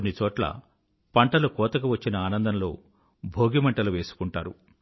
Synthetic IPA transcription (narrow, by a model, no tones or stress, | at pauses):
nːit͡ʃɔːʈlɐ̰ | pɐɳʈɐlukɔːt̪ɐkuʋɐt͡ʃːinɐaːnɐnd̪ɐnlo̞ː | bʱoːɡimɐɳʈɐluʋe̞ːsu̥kuɳʈaːɾṵ